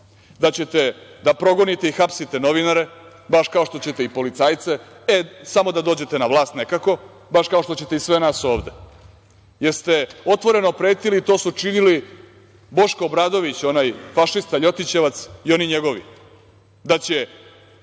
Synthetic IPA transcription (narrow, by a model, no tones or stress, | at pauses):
d̪at͡ɕet̪ed̪apɾo̞ɡo̞nit̪eixapsit̪e̞no̞ʋinaɾe̞ | baʃkaoʃt̪o̞t͡ɕe̞t̪eipo̞lit̪saːjt̪se | esamo̞d̪ad̪o̞ːd͡ʑe̞t̪e̞naʋlˠaːst̪nekako̞ | baʃkao̞ʃt̪o̞t͡ɕe̞t̪eisʋenaso̞ːʋd̪e | jeɾst̪e̞o̞t̪ʋo̞ɾe̞no̞pɾe̞ːt̪ilit̪o̞ːsut͡ʃinili | bo̞ʃkoːbɾaːd̪o̞ʋit͡ɕo̞najfaʃist̪aʎo̞t̪it͡ɕe̞ʋat̪sio̞niɲeɡo̞ʋḭ | d̪at͡ɕe